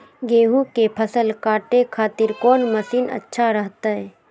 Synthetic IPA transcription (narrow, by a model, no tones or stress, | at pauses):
ɡeːɦukepʰəsəlkaːʈekʰaːt̪ɪɾkɔːnməsiːnə̰tːʃʰaɾəɦt̪aɦɛː